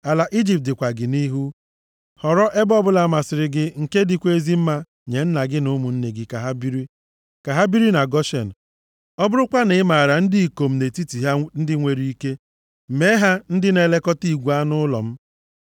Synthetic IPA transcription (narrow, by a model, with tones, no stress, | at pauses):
a˨la˨ʔi˦d͡ʒi˨p̚tɪ˨kʷa˨ɡɪ˨ni˦ɦu˦ | hɔ˨ɾɔ˦ʔe˦bɔ˦bʊ˦la˨ma˨sɪ˨ɾɪ˨ɡɪ˦ŋ̩˨ke˦dɪ˦kʷe˦zi˦m̩˦ma˦ | ɲe˨n̩˦na˨ɡɪ˦nʊ˦mu˨n̩˦ne˨ɡɪ˨ka˨ɦa˦bi˦ɾi˦ | ka˨ɦa˦bi˦ɾi˦na˨ɡɔ˦ʃḛ˨n̩˨ | ɔ˦bʊ˦ɾʊ˦kʷa˦nɪ˦ɪ˦ma˨ɾa˨n̩˦di˦i˨ko˨m̩˦ne˨ti˦ti˨ɦa˦n̩˦dɪ˦ŋʷe˨ɾi˦i˦ke˦˨ | me˦ɦa˦n̩˦dɪ˦ne˨le˦kɔ˦ti˦˨ɡʷu˨˦a˦nʊ˦lɔ̰˨m̩˦